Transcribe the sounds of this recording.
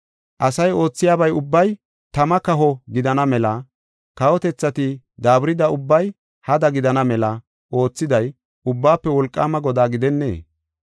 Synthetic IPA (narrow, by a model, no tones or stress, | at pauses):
ʔɐsɐjo̞ːt͡sːɪjaːbɐjʊbːɐj | t̪ɐmɐkɐɦɔɡɪd̪ɐnɐmɛlɐ | kɐwɔt̪ɛt͡sːɐt̪ɪ | d̪aːbɾɪd̪ɐʊbːɐj | hɐd̪ɐɡɪd̪ɐnɐmɛlɐ | ʔo̞ːt͡sːɪd̪ɐj | ʊbːaːpːɛwɔlkʼːaːmɐɡɔd̪aːɡɪd̪ɛnːḛː